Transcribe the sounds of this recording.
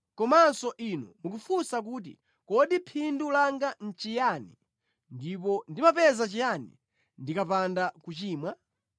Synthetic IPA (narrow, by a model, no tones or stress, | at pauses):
kɔmansɔʔinɔ̰muk̬ufusak̬uːt̬ḭ | kɔɗipʰindulaŋɡan̩t͡ʃijani | ndip̬ɔndimapɛzat͡ʃijanḭ | ndikapandakut͡ʃiːmwa